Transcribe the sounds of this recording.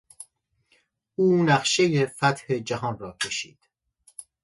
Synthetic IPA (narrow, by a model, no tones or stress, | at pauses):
ʔuːnæɢʃe̞jefæt̪he̞d͡ʒæɦɒːnrɒːcʰe̞ʃḭːd̪̥